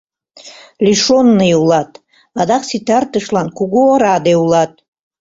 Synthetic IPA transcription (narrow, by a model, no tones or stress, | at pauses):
lʲiʂonːɨjwlˠat̪ʼ | ad̪aχsit̪ʰart̪ɨʂlankʰuɡoɾad̪ewlˠat̚ʼ